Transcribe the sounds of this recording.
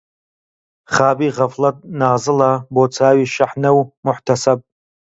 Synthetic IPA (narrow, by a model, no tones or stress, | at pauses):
χaːbiːʁaflatʼnaːzɨlabot͡sʰaːɥiʃaħnɨwmʊħtʰasapʼ